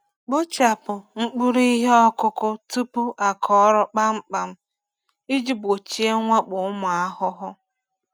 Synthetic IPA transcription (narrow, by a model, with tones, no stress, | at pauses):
k͡po˦t͡ʃa˨pʊ˨ŋ͡m̩˦k͡pu˦ɾi˦i˦ɦe˦ɔ˦kʊ˦kʊ˦tu˦pu˦ʔa˨kʰɔ˦ɾʊ˦k͡pa˦ŋ͡m̩˦k͡pa˨m̩˦ | i˦d͡ʒi˦bo˨t͡ʃi˦e˦ŋʷa˦k͡pʊ˨ʊ˦mʊ˨a˦ɦʊ˦ɦʊ˦